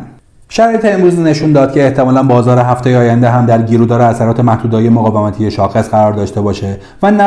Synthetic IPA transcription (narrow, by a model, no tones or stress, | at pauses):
ʃæɾɒːjet̪ʰeemɾuːzine̞ʃund̪ɒːd̪̚cʰe̞ːht̪ʰe̞mɒːlænbɒːzɒːɾeɦæft̪ejeːjænd̪eɦæmd̪æɾɟiːɾuːd̪ɒːɾeæsæɾɒːt̪ʰe̞mæhd̪uːd̪ɒːje̞moɣɒːvemæt̪ʰije̞ʃɒːxe̞sɢæɾɒːɾd̪ɒːʃt̪e̞bɒːʃe̞ | vænæ